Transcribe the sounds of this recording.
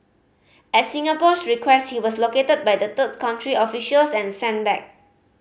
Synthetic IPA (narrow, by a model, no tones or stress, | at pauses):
ɛtsĩŋapɔsɹikʰwɛst̚hiwɔsloketəd̚bajdət̪əd̚kʰãʊ̃ntʰɹiɔfiʃəlsɛ̃nsɛ̃nbɛ̰k̚